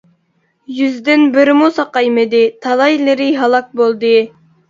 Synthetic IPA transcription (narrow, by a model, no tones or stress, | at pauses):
jyzd̪ɪnbɪɾɪmusɑqɑjmɪd̪ɪt̪ʰɑlˠɑjlɪɾɪɦɑlˠɑk̚bolˠd̪ɨ